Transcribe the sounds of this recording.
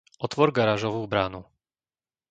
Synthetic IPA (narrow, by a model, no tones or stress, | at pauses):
ʔɔt̪vɔɾɡaɾaʒɔvubɾaːnu